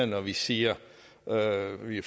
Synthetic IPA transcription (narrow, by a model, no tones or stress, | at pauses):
ɐnɒʋisiːɐ | øʋi